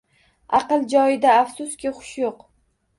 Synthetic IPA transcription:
ɑqɨlˠd͡ʒɒjɪd̪aːfsʊskʲɪχʊ̥ʃjoq

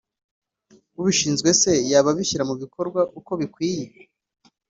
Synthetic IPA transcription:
uβiʃiːnzɡwe̞se̞jaːβaβiçiɾamuβikʰo̞ɾɡwaʔuko̞βikwiːje̞

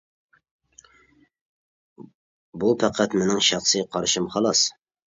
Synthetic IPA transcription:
bupʰæqʰæt̪mɪnɪŋʃɑχsɨqʰɑɾʃimχɑlˠɑs

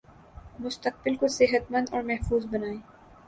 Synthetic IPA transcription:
mʊst̪əq̚bɪlkosɪɦət̪mɐ̃nd̪ɔːɾmɛɦfuːzbɐnaːeː

